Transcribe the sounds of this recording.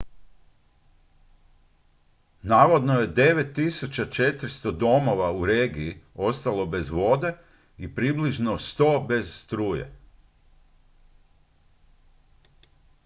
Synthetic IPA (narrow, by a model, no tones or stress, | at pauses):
naːʋo̞d̪noje̞d̪e̞ʋe̞t̪ːisut͡ɕat͡ʃe̞t̪ɾist̪od̪o̞mo̞ʋauɾe̞ːɡiio̞st̪alo̞be̞zʋo̞d̪e̞ | ipɾibliʒnost̪o̞ːbe̞zst̪ɾuːjḛ